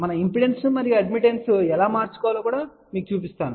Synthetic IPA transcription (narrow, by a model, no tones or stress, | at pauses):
mɐnɐimpiɽe̞nsumɐɾiɐɖmiʈensuɛlaːmaːɾt͡ʃu̥kɔːʋɐloːkuːɽaː | miːkut͡ʃuːp̬ist̪aːnu